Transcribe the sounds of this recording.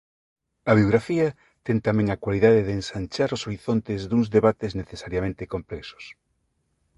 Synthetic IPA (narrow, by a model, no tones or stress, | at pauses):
ɐβ̞ioɣɾafiɐ | t̪ɛŋt̪amɛ̃ŋakwaliðaðeðeːnsant͡ʃaɾosoɾiθont̪ezðuŋzðeβat̪ezneθesaɾjamẽnt̪ekomplɛkso̥s